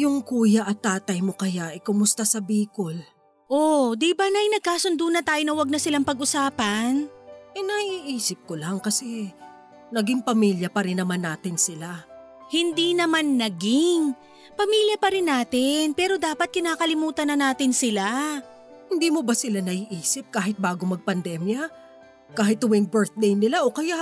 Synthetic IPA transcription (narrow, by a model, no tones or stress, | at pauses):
jʊŋkuːjɐʔɐt̪ːaːt̪ɐjmokɐjaʔɪkʊmʊst̪ɐsɐbiːkol | ʔod̪ibanɐjnɐɡ̚kaːsʊnd̪uːnɐt̪aːjonɐwɐɡ̚nɐsɪlaŋpɐɡʔʊsaːpɐnʔɛnɐiːʔiːsɪp̚kolaŋkɐsɛ | nɐɡɪŋpɐmiːljɐpɐɾɪnːɐmanːaːt̪ɪnsɪla | hɪnd̪inɐmanːɐɡɪŋ | pɐmiːljɐpɐɾɪnːaːt̪ɪnpɛːɾo̞d̪aːpɐt̪̚kɪnaːkɐlɪmuːt̪ɐnɐnaːt̪ɪnsɪla | hɪnd̪iːmo̞bɐsɪlanɐʔiːʔiːsɪp̚kaːɦɪt̪̚baːɡomɐɡ̚pɐnd̪ɛmjɐ | kaːhɪt̪hʊwɛŋbɛɹθ̚d̪ɛjnɪlaʔokɐjaʔ